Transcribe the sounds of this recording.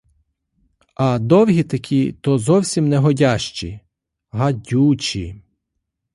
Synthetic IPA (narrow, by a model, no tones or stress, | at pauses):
ɐd̪ɔwɦit̪ɐkʲʰit̪ɔzɔwsʲimnɛɦɔdʲaʃt͡ʃḭ | ɦɐdʲut͡ʃi